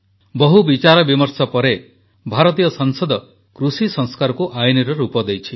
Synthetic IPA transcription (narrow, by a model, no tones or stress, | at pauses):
bɔɦubit͡ʃaɾɔbimɔɾsɔpɔɾe | bʱaɾɔt̪̬ijɔsɔŋsɔd̪ɔ | kɾusisɔŋskaɾɔkuʔajiniɾɔɾupɔd̪ejt͡ʃʰi